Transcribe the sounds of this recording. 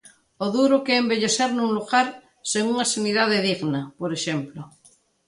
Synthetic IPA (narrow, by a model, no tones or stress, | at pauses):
oðuɾokeːmbeʎeseɾnũnluɣaɾ | seŋuŋasaniðaðeðiɣnapoɾeʃemplo